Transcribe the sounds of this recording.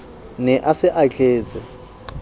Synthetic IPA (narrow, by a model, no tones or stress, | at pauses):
nɛʔasɪʔat͡ɬʰʼeːt͡sʼɪ